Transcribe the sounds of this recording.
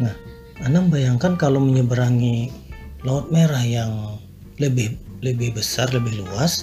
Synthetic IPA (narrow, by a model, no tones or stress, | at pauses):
nah | anaməmbajaŋkankaloməɲəbəɾaŋi | laɔt̪̚meɾahjaŋ | ləbɪhləbɪhbəsarləbɪhluas